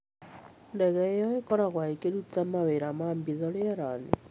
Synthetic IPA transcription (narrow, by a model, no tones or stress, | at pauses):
ndɛɣɛjɔekɔɾaɣwaekeɾut͡samaβeɾamaːmbiðɔljaɾanḛ